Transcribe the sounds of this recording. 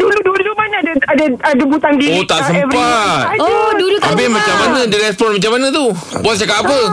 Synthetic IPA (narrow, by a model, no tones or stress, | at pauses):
duludulumanadaadaadabut̪aŋdiot̪aʔsəɛmpat̪̚dulut̪ap̬imãt͡ʃamːanədiɾɛspɔnmat͡ʃamanət̪uboat̚s̬akaːpə